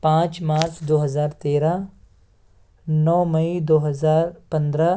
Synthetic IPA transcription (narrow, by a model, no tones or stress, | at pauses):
pãːt͡ʃmaːɾsʰd̪oːɦɐzaːɾt̪eːɾa | nɔːmɐid̪oːɦɐzaːɾpɐ̃nd̪ɾa